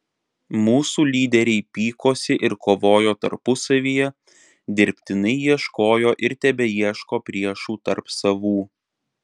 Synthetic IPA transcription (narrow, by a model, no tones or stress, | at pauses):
muːsuːlʲiːd̪ʲɛɾʲɛɪpʲiːkoːsʲɪʔɪɾkoːʋoːjoːt̪ɐ̰ɾpʊsɐʋʲiːjɛ | d̪ʲɪɾʲpʲt̪ʲɪnɐɪjiɛʃkoːjoːʔɪɾt̪ʲɛbʲɛjiɛʃkoːpʲɾʲiɛʃuːt̪ɐɾpsɐʋuː